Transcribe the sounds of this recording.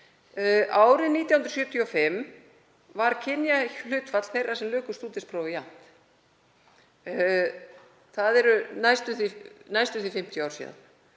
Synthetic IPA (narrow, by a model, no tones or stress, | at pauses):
ʔaːwɾɪðniːt̪jawʏnɾ̥sjʏːt̪ʰjɔfɪm | vaɾ̥cʰɪnjal̥ʏːt̪fat̪l̥θejrasɛmlʏːkʏst̪uːt̪ɪspɾoːwvɪja̰n̥t̪ | θaðɛɾʏnajst̪ʏθɪnajst̪ʏθɪfɪm̥t̪ʰjɔawɾsḭːða̰n